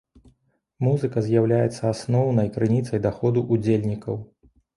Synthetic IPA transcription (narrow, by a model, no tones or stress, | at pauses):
muzɨkɐzʲjawlʲajɛt̪sːɐasnɔwnɐjkɾɨnʲit̪sɐjd̪axɔd̪uʔud͡zʲelʲnʲikɐw